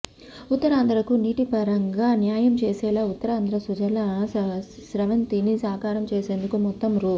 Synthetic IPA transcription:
ut̪ːɐɾaːnd̪ɾɐkuniːʈipɐɾɐŋɡaːnjaːjɐmt͡ʃeːsɛːlaːut̪ːɐɾaːnd̪ʱɾɐsud͡ʒɐlɐ | sɾɐʋɐnt̪inisaːkaːɾɐmt͡ʃeːse̞ːnd̪ukumɔt̪ːɐmɾuː

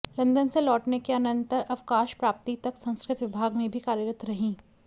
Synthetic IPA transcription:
lɐ̃nd̪ənselɔːʈnekeɐnə̃nt̪əɾɐʋkaːʃpɾaːp̚t̪it̪ɐksɐ̃ñskɾɪt̪ʋɪbʱaːɡmẽbʱikaːɾjəɾət̪ɾɐɦĩː

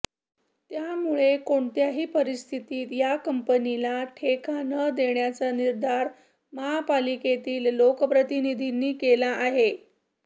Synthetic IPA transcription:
t̪jamuɭekoɳt̪jaɦiːpəɾist̪ʰit̪iːt̪jakəmpənilaʈʰekʰanəd̪eɳjat͡saniɾd̪ʱaɾ | məɦapaliket̪iːlːokəpɾət̪inid̪ʱinːiːkelaʔːɦe

